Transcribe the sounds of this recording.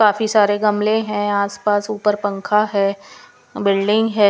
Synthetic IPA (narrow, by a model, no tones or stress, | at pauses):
kaːfisaːɾeɡɐmlẽɦɛ̃aːspaːsuːpəɾpɐ̃ŋkʰaɦɛː | bɪlɖɪ̃ŋɡɦɛː